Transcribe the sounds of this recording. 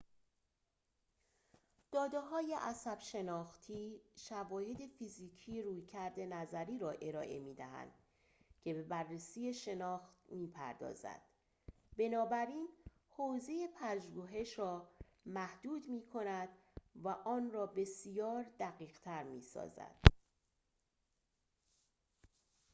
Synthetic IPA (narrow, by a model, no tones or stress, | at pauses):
d̪̥ɒːd̪eɦɒːje̞ʔæsæb̥ʃe̞nɒːxt̪ʰiːʃævɒːhe̞d̪e̞fiziːcʰiːjeɾuːjcʰæɾd̪e̞næzæɾiːɾɒːʔe̞ɾɒ̰ːʔe̞̰miːd̪æɦæ̰nd̪̥ | cʰe̞be̞bærːesiːje̞ʃe̞nɒːxt̪miːpʰæ̰ɾd̪ɒ̰ːzæ̰d̪̥ | be̞nɒːbæɾiːn | hoːze̞jepʰæʒuɦe̞ʃɾɒː | mæhd̪̥uːd̪miːkʰo̞næd̪væʔɒːnrɒːbe̞sijɒːɾd̪æɣiːɣ̥t̪ʰæɾmiːsɒ̰ːzæ̰d̪̥